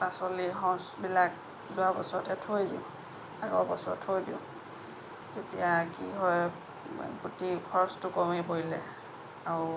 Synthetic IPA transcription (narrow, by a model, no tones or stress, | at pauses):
pasɔliɦɔ̃sbilak̚ | zʊabɔsɔtɛtʰojdiʊ̰̃ | aɡɔ̰bɔsɔɔtʰːojdiʊ̃ | zetijakiɦɔj | ɡutikʰɔɹstʊkɔmibojlɛ | aɹʊ